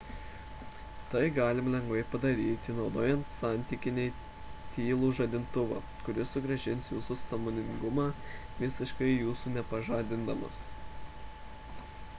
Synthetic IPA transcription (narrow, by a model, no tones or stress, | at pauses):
t̪ɐɪɡɑːlʲɪmlʲɛŋɡʋɐɪpɐd̪ɐɾʲiːt̪ʲɪnɒʊd̪oːjɛnt̪sɑˑnʲt̪ʲikʲɪnʲeɪ | t̪ʲiːlˠuːʒɐd̪ʲɪnt̪ʊʋɑ̰ː | kʊɾʲɪsʊɡɾɐʒʲɪnʲsjuːsʊsɐmoːnʲɪŋɡʊmɑːʋʲɪsʲɪʃkɐɪjuːsuːnʲɛpɐʒɑːd̪ʲɪnd̪ɐmɐ̰s